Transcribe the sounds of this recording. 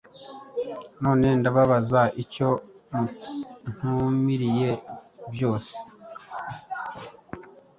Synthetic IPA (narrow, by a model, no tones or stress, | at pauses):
no̞ːne̞ndaβaβazaʔico̞ | n̥humiɾije̞bjo̞ːse̥